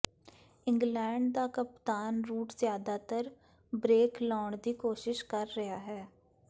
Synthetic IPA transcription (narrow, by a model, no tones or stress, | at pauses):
ɪ̃ŋɡlɛ̃ːɳɖ̚d̪akəpt̪aːnɾuːʈzjaːd̪at̪əɾ | bɾeːklɔːɳd̪iːkoːʃɪʃkəɾːɐjaːɦɛː